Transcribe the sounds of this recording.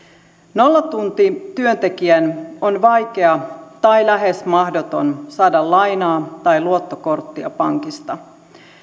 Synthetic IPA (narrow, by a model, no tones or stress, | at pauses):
no̞lːɑt̪unt̪it̪yønt̪e̞kiænonʋɑjk̟e̞ɑt̪ɑjlæɦe̞smɑhdot̪o̞̰nsɑːdɑllɑjnɑːt̪ɑjluo̞t̪ːoko̞rt̪ːiɑ̰pɑŋkist̪ɑ